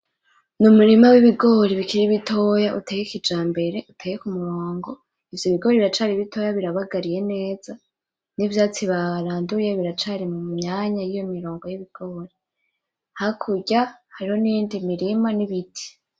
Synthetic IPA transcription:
numuɾimawiβiɡo̞ːɾiβikiɾiβitʰo̞jaʔutejekid͡ʒaːmbe̞ɾe̞ʔutʰejekumuɾoːŋɡo̞ | ivjoβiɡo̞ɾiβiɾat͡ʃaɾiβitʰo̞ːjaβiɾaβaɡaɾije̞ne̞ːz̥a | nivjaːt͡siβaɾaːndujeβiɾat͡ʃaɾimumɲaːɲajijo̞miɾo̞ːŋɡo̞jiβiɡ̥o̞ːɾi | hakʰuɟahaɾiho̞nindimiɾimaniβitʰi̥

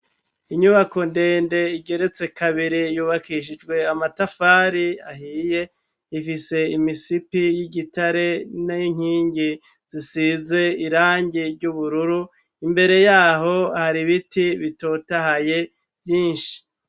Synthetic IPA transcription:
iɲuβako̞nde̞ːnde̞iɟe̞ɾe̞t͡se̞kaβiɾijuːβakiʃ̬id͡ʒɡwe̞amatafaːɾiaɦiːje̞ | ifise̞imisipijiɟitaɾe̞najiŋ̥iːɲɟi | z̥isiːze̞iɾaːɲɟiɾɟuβuɾuɾu | imbe̞ɾe̞jaːɦo̞haɾiβitiβito̞ːtahaje̞ | vjiːnʃi̥

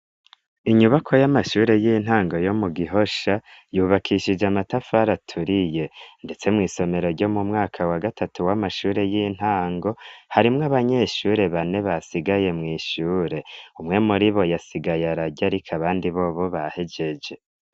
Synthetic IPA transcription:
iɲuβakʰo̞jamaʃuːɾe̞jiːn̥haːŋɡo̞jo̞muɡiɦo̞ʃajuːβakʰiʃid͡ʒamatafaɾatʰuɾije̞nde̞t͡se̞mŋiːso̞me̞ɾo̞ɾɟo̞mumŋaːkʰawaɡatʰatuwamaʃuːɾe̞jiːn̥haːŋɡo̞haɾimŋaβaɲe̞ʃuːɾe̞βane̞βasiɡaje̞mŋiːʃuːɾe̞umŋe̞muɾiβo̞jasiɡajaɾaɟaɾikʰaβaːndiβo̞βo̞βahe̞d͡ʒe̞d͡ʒe̞

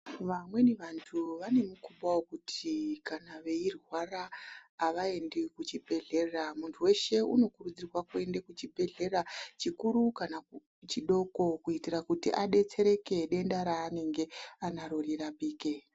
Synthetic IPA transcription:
ʋamwe̞niʋantʰuʋane̞mukuɓawokutʰikanaʋe̞irwaraːʋae̞ndekut͡ʃibʱe̞ɮe̞ramuntʰuwe̞ʃe̞uno̞kurud͡zirwakue̞ndekut͡ʃibʱe̞ɮe̞rat͡ʃikuɾukana | t͡ʃiɗo̞ko̞kuitirakutḭʔaɗe̞t͡se̞ɾe̞ke̞ɗe̞ndaɾaːne̞ŋɡe̞anaɾoriɾaɓiːke

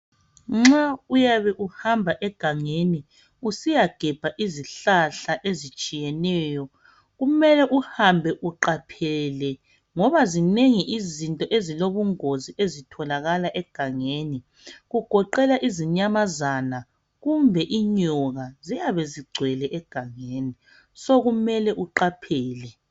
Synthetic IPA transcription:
ŋ͡ǁaujaβɛʔuhambʱaʔɛɡ̥ʱaŋeni | usijaɡ̥ʱɛb̥ʱaʔiziɬaɬaʔezit͡ʃʼijɛnɛjɔ | ɣumɛlɛʔuhambʱɛʔuǃapʰɛlɛ | ŋɔβazineŋiʔizintʼɔʔeziloβuŋoziezitʰɔlaɣalaʔɛɡ̥ʱaŋeːni | ɣuɡ̥ʱɔǃɛlaʔiziɲamazana | ɣumbʱɛʔiɲɔɣazijaβɛziɡ͡ǀʱwɛlɛʔɛɡ̥ʱaŋeːni | soɣumɛlɛʔuǃapʰɛːlɛ

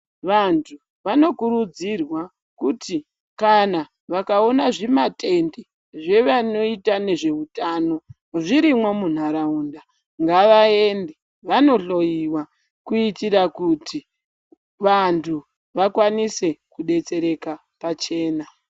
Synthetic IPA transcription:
ʋantʰu | ʋano̞kuɾud͡zirwa | kuti | kana | ʋakao̞naʐimatʰʼe̞nde | ʐe̞ʋano̞itane̞ʐe̞utano̞ | ʐiɾimwamun̤aɾauːnda | ŋɡaʋae̞nde | ʋano̞ɬo̞jiwa | kuitiɾakuti | ʋantʰu | ʋakwanise̞kuɗe̞t͡se̞ɾe̞ka | pat͡ʃe̞ːna

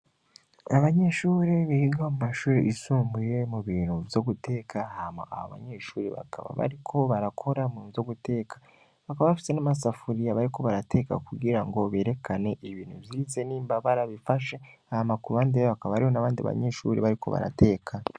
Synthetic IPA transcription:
aβaɲe̞ʃuːɾeβihiɡaomumaʃuːɾeʔisuːmbuje̞muβiːn̥huvjoɡutʰe̞ːkʰahama̰ʔa̰βo̰βa̰ɲe̞ːʃuːɾeβa̰kʰa̰βa̰βa̰ɾikʰo̞βaɾakʰo̞ɾamuːnzo̞ɡute̞ːkḁ | βakaβaβafi̥se̞namas̬afuɾijaβaɾiko̞βaɾate̞ːka̰kuɡiɾaŋɡoβe̞ːɾe̞kʰane̞ʔiβiːnhuvjiize̞niːmbaβaɾaβifaʃeahamakuβaːndiβeβakaβaaɾiho̞naβaːndiaβa̰ɲe̞ʃṵɾeβaɾikʰo̞βa̰ɾa̰te̞ːkʰa

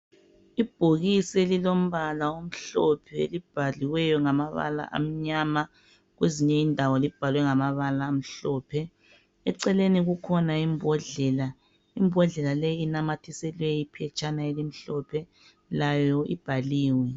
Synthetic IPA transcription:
ib̥ʱoɣisɛlilom̩βalaom̩ɬɔpʰɛḛlib̥ʱaliwɛjɔŋamaβa̰la̰ʔa̰m̩ɲama | ɣweziɲɛindʱawɔlib̥ʱalwɛŋamaβalaːm̩ɬɔːpʰɛ | ɛǀɛleniɣukʰɔnaimbʱɔɮɛla | imbʱɔɮɛlalejinamatʰisɛlwɛipʰɛt͡ʃʼanaelim̩ɬɔpʰɛ | lajɔib̥ʱaliːwɛ

